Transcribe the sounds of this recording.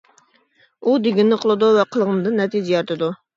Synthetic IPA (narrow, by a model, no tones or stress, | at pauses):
ud̪eɡʲɪnːɪqʰolˠɨd̪uvɛqʰəlˠʁənd̪ɨnːɛt̪ʰid͡ʒɛjɑɾt̪ʰɨd̪u